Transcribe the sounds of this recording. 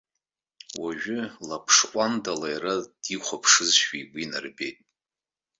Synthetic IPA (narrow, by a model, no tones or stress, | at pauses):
waʒᶣʏlapʰʂqʷʼandalajrad̥iχʷapʰʂɨzʃʃᶣiɡʷinarbejtʼ